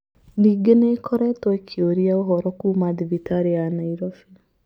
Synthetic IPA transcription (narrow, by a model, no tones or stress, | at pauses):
niɡenekʰɔɾɛtɔekʰioɾiaoɦɔɾɔkumaðivitaɾianaiɾɔfi